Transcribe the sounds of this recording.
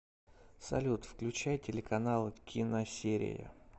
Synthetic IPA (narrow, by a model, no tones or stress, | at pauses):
sɐ̰lʲut̪fklʲʉt͡ɕæjtʲɪlʲɪkɐnalˠɨkʲʰinəsʲeɾʲɪ̰jə̰